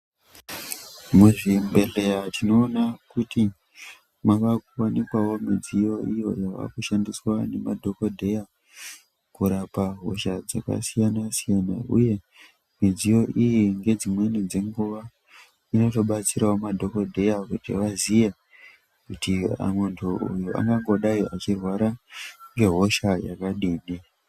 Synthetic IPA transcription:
muʐimbe̞ɮe̞jatino̞ːnakuti | maʋakuwanikwawo̞mid͡zijo̞ijo̞̰jaʋa̰kuʃandiswane̞madʱo̞kodʱe̞ja | kuɾapaɦo̰ʃad͡za̰ka̰sijanasijanaṵje̞ | mid͡zijo̞ʔijiŋɡe̞d͡zimwe̞nid͡ze̞ŋɡuʋa | ino̞to̞ɓat͡siɾaomadʱo̞ko̞dʱe̞jakutḭʋazije | kutia̰mwentʰuṵjuʔa̰ŋɡaŋɡo̞ɗaiat͡ʃirwaɾaŋɡe̞ɦo̞ʃajakaɗiːni

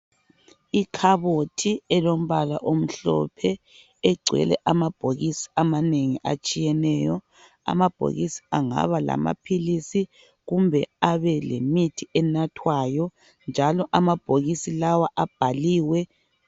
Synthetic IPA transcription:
ikʰaβotʰiɛlom̩βala̰ʔom̩ɬɔ̰pʰɛ | ɛɡ͡ǀʱwɛ̰lɛ̰ʔamab̥ʱoɣisi̥amaneŋiʔa̰t͡ʃʼijɛnɛːjɔ | a̰mab̥ʱo̰ɣisi̥aŋa̰βala̰ma̰pʰilisi | ɣumbʱɛaβɛlḛmitʰiɛnatʰwajɔ | nd͡ʒʱalɔʔamab̥ʱoɣisilawaʔab̥ʱaliːwɛ

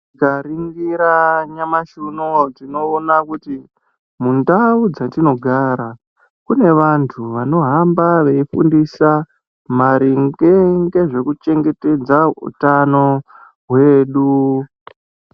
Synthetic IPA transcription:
kaɾiŋɡiɾaɲamaʃunotino̞ːnakuti | mundaud͡zatino̞ɡʱaɾa | kune̞ʋantʰuʋano̞ɦambaʋe̞ifṵndisa | maɾiŋɡeŋɡe̞ʐe̞kut͡ʃe̞ŋɡe̞te̞d͡zaṵtano̞ | ɦwe̞ːɗu

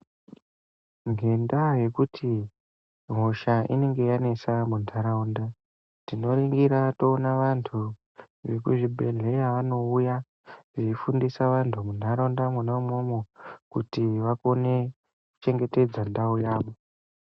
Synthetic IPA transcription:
ŋɡe̞ndaje̞kutʰi | m̤oʃaʔḭne̞ŋɡe̞jane̞samunʱaɾaunda | tino̞riŋɡiɾato̞ːnaʋantʰu | ʋe̞kuʐibʱe̞ɮe̞jaʋano̞uja | ʐeifundisaʋantʰumun̤ʱaɾaundamwunaumomokutiʋako̞ne̞ | ku̥t͡ʃe̞ŋɡe̞te̞d͡zandaujaːʋo

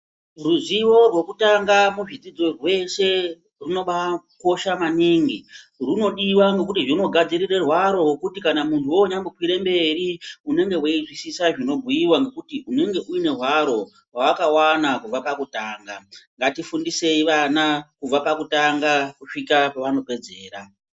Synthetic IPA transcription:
ruziwo̞rwe̞kutaŋɡamuʐid͡zid͡zo̞rwe̞ʃe̞ | runo̞ɓa | ko̞ʃamaneːŋɡi | runo̞ɗiwaŋɡe̞k̬utiʐino̞ɡʱad͡zirire̞rwaɾo̞wokutikanamuntʰuwoːɲamukwiɾembe̞riune̞ŋɡe̞weizwisisaʐino̞bʱujiwaŋɡe̞kutiune̞ŋɡe̞ʔuine̞rwaɾo̞ | waakawanakub͡vapakutaːŋɡaŋɡatifundise̞iʋanakub͡vapakutaŋɡakuʂikapaʋano̞ke̞d͡zeːɾa̰

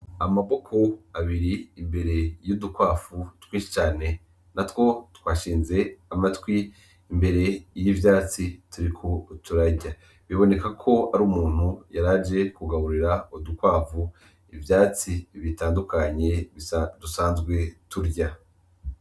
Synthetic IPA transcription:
amaβo̞kʰo̞aβiɾiːmbe̞ɾe̞judukwaːfutwĩːʃi̥t͡ʃaːne̞ | natwo̞twaːʃiːnze̞amatwiː | mbe̞ɾe̞jivjaːt͡situɾikʰotʰuɾaɟa | βiβo̞ne̞kakʰo̞aɾuːmuːn̥hujaɾaːd͡ʒe̞kuɡaβuɾiɾaudukwaːvu | ivjaːt͡siβitaːndukʰaɲe̞dusaːnzɡwe̞tuɾɟa

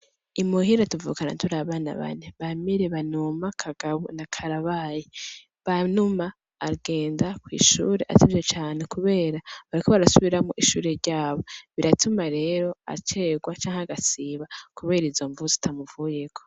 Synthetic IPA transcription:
imuhiɾatuvṵːkana̰tuɾaβaːna̰βa̰ne̞βamiɾeβanumakʰaɡ̥aβṵnakʰaɾaβaːje | βanumaː | ɡe̞ːndakwḭːʃṵːɾeʔa̰tivjet͡ʃaːnekuβe̞ːɾaβaɾikoβaɾasuβiɾamoʔiʃuːɾe̞ɾɟaːβo̞βiɾatʰumaɾe̞ːɾo̞a̰t͡ʃe̞ːɡwat͡ʃaːŋeaɡasiːβakuβe̞ːɾizo̞ɱvuzitʰamuvuːje̞kʰo̞

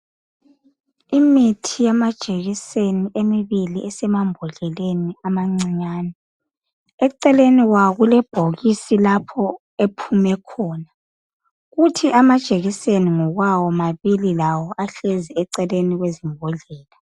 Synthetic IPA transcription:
imitʰijamad̥ʒ̥ʱeɣiseniʔemiβiliʔɛsɛmambʱuɮɛleniamaŋ͡ǀiɲaːnɛ | ɛǀɛleniwaɣulɛb̥ʱoɣisilapʰɔ | epʰumɛkʰɔːna | ɣutʰiʔamad̥ʒ̥ʱeɣiseniŋɔɣwawɔmaβililawɔʔaɬɛzɛɛǀɛleniɣwezimbʱɔɮɛːla

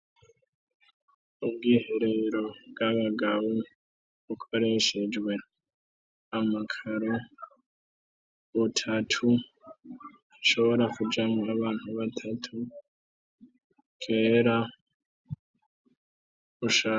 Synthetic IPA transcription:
ubɡiːheɾeɾo̞bɡaβaɡaβu | βukʰo̞ɾe̞ʃe̞d͡ʒɡwe̞ | amakʰaɾo | βutʰatʰu | aʃo̞βo̞ɾakud͡ʒamaβaːn̥huβatʰatʰu | kʰe̞ːɾa | βuʃa

